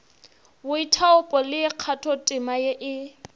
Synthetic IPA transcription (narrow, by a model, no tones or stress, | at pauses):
bʊitʰaʊpʼɔlɪɪq͡χʰatʰɔtʼɪmajeʔɪ